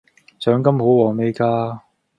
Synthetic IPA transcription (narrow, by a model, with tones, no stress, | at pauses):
sœː˨˥ŋkɐ˥mho˨˥wwɔː˨˩ŋme˥˧kaː˥